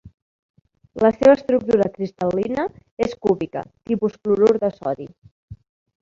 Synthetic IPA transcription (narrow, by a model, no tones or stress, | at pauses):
ləseβəst̪ɾuk̚t̪uɾəkɾist̪əlinəeskuβikə̰t̪ipuskluɾoɾðəsɔði